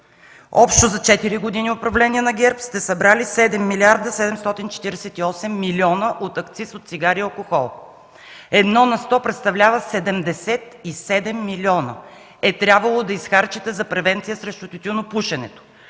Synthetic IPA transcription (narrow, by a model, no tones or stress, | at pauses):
ɔpʃt̪ozɐt͡ʃɛt̪iɾiɡod̪iniopɾɐvlɛniɛnɐɡʲɛɾpst̪ɛsɐbɾalisɛd̪ɛmːiliaɾd̪əsɛd̪ɛmst̪ɔt̪int͡ʃɛ̥t̪iɾɛsɛt̪iɔsɛmːiliɔnəʔot̪ɐkt̪sisot̪t̪siɡaɾiɐlˠkoxɔlˠ | ɛd̪nɔnɐst̪ɔpɾɛt̪st̪ɐvlʲavəsɛd̪ɛmd̪ɛsɛt̪isɛd̪ɛmːiliɔnə̰ | ɛt̪ɾʲabvəlˠod̪ɐisxaɾt͡ʃit̪ɛzɐpɾɛvɛnt̪sijəsɾɛʃt̪ʊt̪ʲut̪ʲunopuʃɛnɛt̪o̥